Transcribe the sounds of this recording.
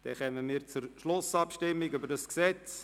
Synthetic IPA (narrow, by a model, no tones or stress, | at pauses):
d̪̥ɛχɛməmiːɾt͡sʊɾʃlʊsɑpʃtɪmːɪɡybəɾdɑsksɛt͡s